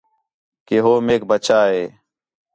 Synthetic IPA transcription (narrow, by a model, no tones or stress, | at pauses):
keɦoːmeːk̚bət͡ʃaːɦeː